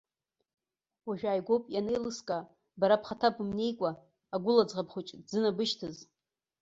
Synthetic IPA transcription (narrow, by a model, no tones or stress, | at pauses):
waʒᶣaːjɡʷopʼjanejlɨskʼa | baɾapʰχatʰabɨmne̞jkʷʼaː | ɡʷʊlad͡zʁapχʷut͡ʃʼd͡zɨnabɨʃtʰɨz